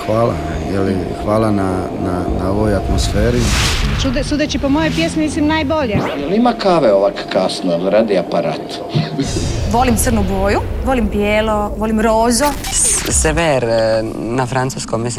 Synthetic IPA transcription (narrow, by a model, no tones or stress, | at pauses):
xʋaːla̰ | jeli | xʋaːlana | nanaoʋojat̪mosfeːɾit͡ʃud̪sud̪et͡ʃipomojojpjesmimislimnajboʎejelimakaːʋeoʋakkasnolɾad̪iapaɾa̰ːt̪ | ʋo̞limt̪sərnuboːjuʋolimpjeːloʋolimɾoːzo | seʋeɾ | nafɾansuskomis